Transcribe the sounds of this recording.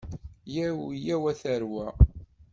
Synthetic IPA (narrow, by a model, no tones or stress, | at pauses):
jæjæwæθəɾwæ